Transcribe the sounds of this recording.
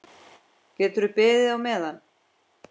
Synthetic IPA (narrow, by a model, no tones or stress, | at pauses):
cɛːt̪ʏɾʏpɪːðɪawmɛːðan